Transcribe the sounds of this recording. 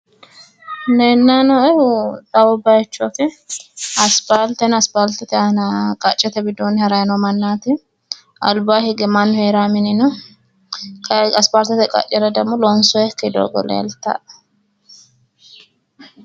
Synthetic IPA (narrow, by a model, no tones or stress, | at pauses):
nɛnːanɔɛt̪ʼɐwɔbajɛt͡ʃːɔkɛ | ɐspaːlt̪ɛnɐspaːlt̪ɛt̪ɛnɐkʼɐt͡ʃʼːɛt̪ɛbɪd̪oːnɪhɐɾɐjnɔmɐnːaːt̪ɪ | ʔɐ̰lbaːhɪɡɛmanːʊheːɾaːmɪnɪnɔ | kɐɐspaːlt̪ɛt̪ɛkʼɐ̰t͡ʃʼːɛɾɐd̪ɐmʊlɔnsɔjɛkːɛd̪o̰ːɡɔ̰lḛːlt̪ːa̰